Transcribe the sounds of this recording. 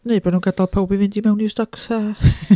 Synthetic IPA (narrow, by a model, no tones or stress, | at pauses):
neɨbɔdnuːnɡadalˠpʰawbivɨndimɛwnistɔksa